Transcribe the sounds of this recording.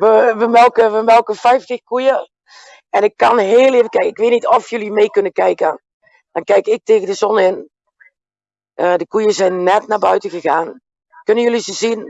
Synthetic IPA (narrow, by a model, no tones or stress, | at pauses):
ʋəʋəmɛlˠkəʋəmɛlˠkəfɛjftəxkujə | ɛnɪkːɔnɦeːlˠeːvəkɛjkɪkʋeːtnitɔfjølˠimeːkønəkɛjkə | d̥ɔnkɛjkɪk̚teːɣədəzɔnɪn | ədəkujəsɛjnːɛtnabœɥtəɣəɣaːn | kønənjølisəsin